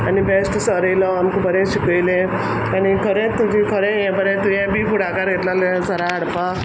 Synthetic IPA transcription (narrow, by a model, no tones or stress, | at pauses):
anibesʈsəɾilɔːnkubʱəɾẽɕikəjlẽ | anikʰəɾet̪ud͡ʑʱikʰəɾejẽbʱəɾẽt̪ujɛ̃bʱiːfuɽakaɾɡʱet̪lalsəɾaːɽpa